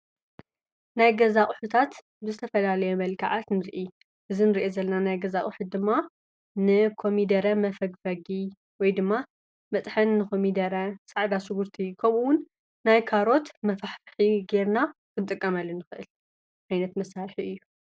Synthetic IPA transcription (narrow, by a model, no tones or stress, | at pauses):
najɡɐzaχʼħut̪ʰat̪ | bɨzɨt̪ʰɐfɐlalɐjomɐlkʰaʕat̪nɨɾʔi | ʔɨzinɨɾiʔezɐlɐnanajɡɐzaχʼħut̪̚d̪ɨmːa | nɨkʰo̞mid̪ɐɾɐmɐfɐɡfɐɡi | wɔjd̪ɨmːa | mɐt̪ʼħɨnːɨxomid̪ɐɾɐsʼaʕd̪asɨɡuɾt̪ʰikʰɐmuwʊnː | ajkʰaɾo̞t̪mɐfaħfħiɡe̞ɾnakʰɨnt̪ʼɨkʼːɐmɐlːɨnːɨxɨʔɨl | ʕajnɐt̪mɐsːalħiɨjːu